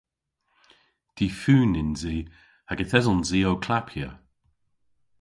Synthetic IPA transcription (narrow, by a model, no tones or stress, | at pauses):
d̪̥iːfʉːnɪnziː | haɡəθɛzɔnziːowkʰlapʰjə̰